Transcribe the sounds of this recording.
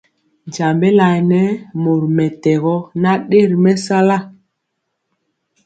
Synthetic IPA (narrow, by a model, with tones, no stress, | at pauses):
d͡ʒa˨mbe˦la˨nɛ˦mo˨ɾmɛ˨tɛ˨ɣɔ˦na˦ɗe˦˨ɾmɛ˦sa˦la˦˨